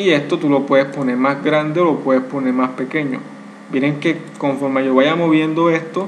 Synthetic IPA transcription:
ie̞st̪o̞t̪ulo̞pwe̞ðespo̞neɾmazɡɾand̪eolo̞pwe̞ðespo̞ne̞ɾmaspe̞ke̞ɲo̰ | bjeɾeŋke̞ | koɱfo̞ɾmaʝoβaʝamo̞βje̞nd̪o̞e̞st̪o̞

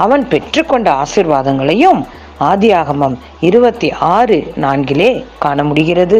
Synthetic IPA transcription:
ɐʋɐnpɛʈrɯkːɔɳɖɐaːsɪɾʋaːðɐŋɡɐɭɐjɯm | aːðɪjaːɣɐmɐm | ɪɾɯbɐt̪ːiʔaːrɯnaːnɡɪleːkaːɳɐmʊɽɪɣɪrɐðɯ

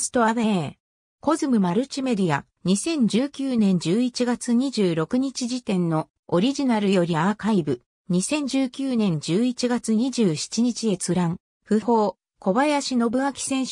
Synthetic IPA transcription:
sɨ̥t̪o̞aβe | ko̞zɨmɯ̟maɾɯ̟t͡ɕime̞d̪ija | ɲ̟isẽ̞ɲ̟d͡ʑɨːkʲɨːnẽ̞ɲ̟d͡ʑɨːit͡ɕiɡat͡sɨɲ̟iʑɨːɾo̞kɯ̟ɲ̟it͡ɕiʑit̪ẽ̞nːo̞ | oɾʲiʑinaɾɯ̟jo̞ɾʲiakaibɯ̟ | ɲ̟isẽ̞ɲ̟d͡ʑɨːkʲɨːnẽ̞ɲ̟d͡ʑɨːit͡ɕiɡat͡sɨɲ̟iʑɨːɕi̥t͡ɕiɲ̟it͡ɕie̞t͡sɨɾãŋ | ɸɯ̟ho̞ː | ko̞bajaɕino̞bɯ̟akʲi̥sẽ̞ɰ̃ɕ

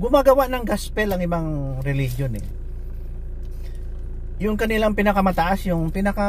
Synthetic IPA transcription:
ɡʊmaɡɐwaʔnɐŋɡaspɛlɐŋɪbaŋɾɛlɪhjonɛ̰ | jʊŋkɐnɪlaŋpɪnɐkɐmɐt̪aʔasjʊŋpɪnɐka

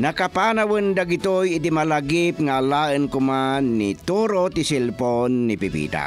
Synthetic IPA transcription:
nakapanawənd̪aɡit̪ojit̪̬imalaɡipŋalaːʔənkʊmanːit̪oɾot̪isilponːipipḭːt̪a̰

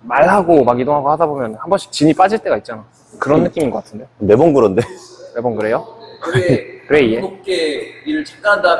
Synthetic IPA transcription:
maɭɦaɡomaɡidoŋɦaɡohadabomjʌnhambʌnɕ͈ʰi̥t͡ɕiɲip͈ad͡ʑiɭt͈e̞ɡait̚t͡ɕ͈ana | kɯɾʌnːɯk͈iminɡʌk͈atʰɯndejone̞bʌnɡɯɾʌnde̞ne̞bʌnkɯɾe̞jokɯɾekɯɾe̞ie̞ok͈eiɾɯɭt͡ɕʰi̥k͈aanda

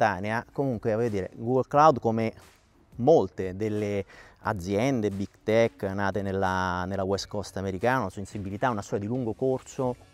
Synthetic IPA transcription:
t̪aːneakomuŋkwevɔjːod̪iːɾḛɡuɡolklawd̪kome | molt̪ed̪elːea̰d̪zːjɛnd̪ebikt̪ɛkːnaːt̪enelːanelːawɛskɔst̪ameɾikaːnanasensibilit̪aunast̪ɔːɾad̪iluŋɡokorso

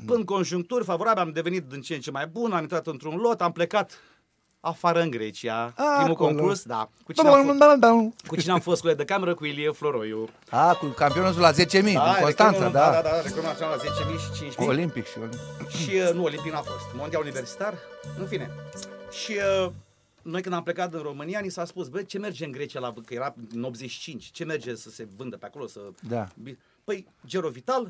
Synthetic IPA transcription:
pɨn̚ko̞nʒuŋk̚t̪urʲfavo̞ɾabilʲamd̪e̞venit̪̚d̪int͡ʃient͡ʃe̞majbunamint̪ɾat̪ɨnt̪ɾunlo̞t̪amplekat̪ | afaɾəɨŋɡɾet͡ʃiaaɾimulkoŋkursd̪a̰kut͡ʃinead̪and̪awnkut͡ʃineamfost̪kulejd̪əkame̞ɾəkuilieflo̞ɾo̞ju | akukampionut̪ulazet͡ʃemiaonst̪ansad̪ad̪ad̪ad̪aɾeklamafionalazet͡ʃemijʃi̥t͡ʃint͡ʃmiolimpikʃioiʃiənuo̞limpik̚nafost̪mond̪ialunive̞rsi̥t̪arɨnfine̞ʃiə | no̞jkɨnd̪ample̞kat̪ɨnro̞mɨnijanisaspusbet͡ʃe̞me̞rd͡ʒeɨnɡɾe̞t͡ʃialakəje̞ɾaɨno̞p̪zet͡ʃʃi̥t͡ʃint͡ʃʲt͡ʃe̞merd͡ʒesəse̞vɨnd̪əpeako̞lo̞səd̪abi | pəj | d͡ʒeɾovit̪al

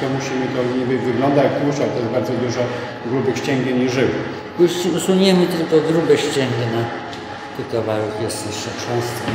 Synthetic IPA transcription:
t̪ɔmuɕimɘt̪ɔɲibɘvɘɡlɔnd̪at̪uʃat̪ɔjɛzbaɾd̪zɔd̪uʐɔ | ɡɾubɘxɕt͡ɕɛŋɡʲeɲiʐɘw | uuswuɲɛmɘt̪ɘlkɔɡɾubɛɕt͡ɕɛŋɡɛna | t̪ɪt̪ɔvaɾukjɛsɛʂɛt͡ʂɔ̃w̃st̪ɛ

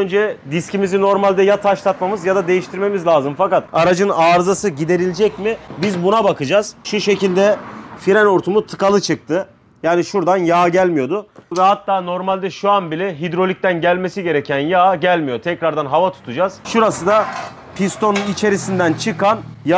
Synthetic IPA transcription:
ønd͡ʒɛd̪iscimizino̞ɾmalʲd̪ɛjat̪ʰaʃlˠat̪mamɯzjad̪ad̪e̞jiʃt̪ʰiɾme̞mizlʲaːzɯmfakat̪aɾad͡ʒɯnaːɾzasɯɟid̪e̞ɾilʲd͡ʒɛcmɪbizbunabakɯd͡ʒaːz̥ʃuʃe̞cilʲd̪ɛfiɾɛno̞ɾt̪ʰumut̪ʰɯ̥kalˠɯt͡ʃʰɯk̚t̪ʰɯ | jaːniʃuɾd̪anjaːɟælʲmijo̞d̪ʊvɛɦat̪ːaːno̞ɾmalʲd̪ɛʃuanbilʲɛɦid̪ɾo̞lʲic̚t̪ænɟælʲme̞siɟe̞ɾɛcʰænjaːɟælʲmijot̪ʰɛcɾaɾd̪anɦavat̪ʰu̥t̪ʰud͡ʒaz̥ʃuɾasɯd̪a | pʰist̪ʰo̞nunit͡ʃʰe̞ɾisind̪ænt͡ʃʰɯkanj

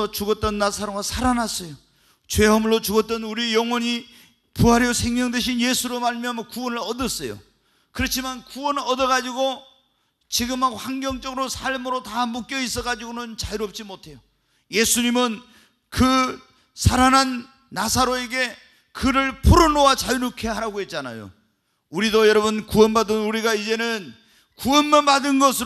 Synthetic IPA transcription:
ʌt͡ɕuɡʌt͈̚ʌnːasʰaɾoɡasʰaɾanas͈ʌjo | t͡ɕwe̞ɦamɯɭːot͡ɕuɡʌt͈ʌnuɾiejʌŋwʌɲi | puɦaɾjosʰe̞ŋmjʌŋdwe̞ɕʰinje̞sʰuɾomaɭmiamakuwʌnɯɭʌdɯs͈ʌjo̰ | kɯɾʌt͡ɕʰimankuwʌnɯɭʌdʌɭɣad͡ʑiɡo | t͡ɕiɡɯmɦaɡohaŋɡjʌŋt͡ɕ͈ʌɡɯɾosʰaɭmɯɾotamuk͈jʌis͈ʌɡad͡ʑiɡonɯnt͡ɕaiɾop̚t͡ɕ͈imotʰe̞jo | je̞sʰuɲimɯn | kɯ | sʰaɾananː | asʰaɾoeɡe̞ | kɯɾɯɭpʰoɾonowat͡ɕajnukʰe̞ɦaɾaɡoɦe̞t̚t͡ɕ͈ana̰jo̰ | uɾidojʌɾʌbunkuʌnbadɯnuɾiɡaid͡ʑe̞nɯn | kuwʌnmanpadɯnɡʌsʰɯ

